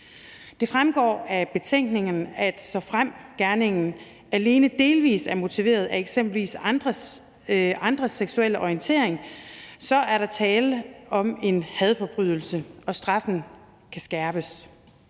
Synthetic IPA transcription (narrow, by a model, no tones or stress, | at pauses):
d̥e̝fʁamɡ̥ɒ̰ːæb̥e̝t͡sʰeŋ̰ɡ̥ne̝ŋn̩æd̥sɒ̽fʁam̰ɡ̥æɐne̝ŋn̩ | æle̝ːnəd̥e̝ːlʋḭːsæɐmo̝t͡sʰiʋe̝̰ːɐð̞ˠæeɡ̥sem̰b̥l̩ʋḭːsnd̥ʁ | ʔɑ̈nd̥ʁɐseɡ̥suel̰ɒiənt͡sʰe̝ɐeŋsɒ̽ʔæɐɾɑ̈t͡sʰɛːləɒ̽me̝nhɛð̞ˠfɒ̽b̥ʁyð̰ˠl̩səʔɒ̽sd̥ʁɑ̈fn̩ | kʰæsɡ̥æɐb̥əs